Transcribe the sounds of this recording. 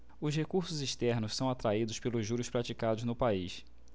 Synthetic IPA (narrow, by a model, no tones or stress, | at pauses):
ʊshekuɾsʊziʃt̪ɛɾnʊssɐ̃w̃at̪ɾaid̪ʊspelʊʒʒuɾʊspɾat͡ʃikad̪ʊznʊpaiʃ